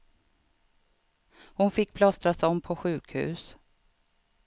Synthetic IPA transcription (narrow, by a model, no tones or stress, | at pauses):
hʊnfɪk̚ːpʰlɔst̪ɾasɔmpʰɔɧʉ̟ːkhʉ̟̰ːs